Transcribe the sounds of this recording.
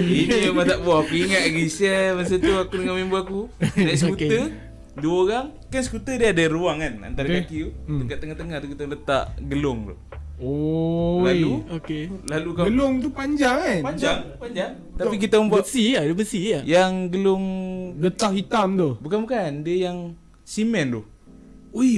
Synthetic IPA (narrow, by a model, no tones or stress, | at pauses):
inibat̪aʔbuakuiŋat̪̚ɡisiəməsət̪uakudəŋamimbuakunaʔsəkuə | duoɾaŋ | kansə̥kut̪ədiəadəɾuaŋana̰nt̪aɾakakiuəkaʔt̪əŋaht̪əŋaht̪ukit̪alət̪a̰ʔɡəlʊŋt̪ʊ̰ | o | laluokelalukaɡəlʊŋt̪upaɲd͡ʒaŋnpaɲd͡ʒaŋpaɲd͡ʒaŋ | t̪apik̬it̪aməmbasiadəbəsijaŋɡəlʊŋlət̪aʔhit̪amt̪ubukanbukandiəjaŋ | simɛnlʊ | u